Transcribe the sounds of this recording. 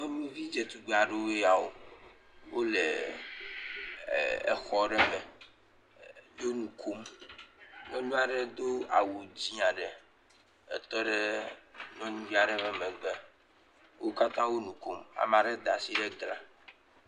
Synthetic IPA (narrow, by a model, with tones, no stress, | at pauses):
o˦nũ˦vi˦d͡ʒɛ˨t̪u˨ɡ͡be˨a˨ɖe˦wo˦e˦a˨wo̰˨ | wo˦le˨ | ḛ˨xɔ˦ɖɛ˦mɛ˨ | jo˦nũ˨kʰo˦m | nɔ̃˦nũ˦a˨ɖɛ˦d̪o˦a̰˨wo˨d͡ʑi˦a˨ɖɛ˨ | ɛ̰˨t̪ɔ˦ɖɛ˦nɔ̃˦nũ˦vi˦a˨ɖɛ˦βɛ˨mɛ̃˨ɡ͡bɛ˦ | wo˦ka˦t̪ã˦wo˦nũ˨ko˦ma̰˨m˨ã˨ɖɛ˦d̪a˨si˦ɖɛ˦ɡla˦